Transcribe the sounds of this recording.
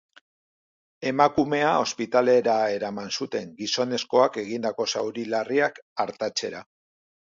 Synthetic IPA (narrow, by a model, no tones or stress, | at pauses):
e̞makume̞ao̞spit̪ale̞ɾae̞ɾamansut̪e̞ŋɡiso̞ne̞sko̞ake̞ɣind̪ako̞sa̰wɾilariakaɾt̪at͡se̞ɾa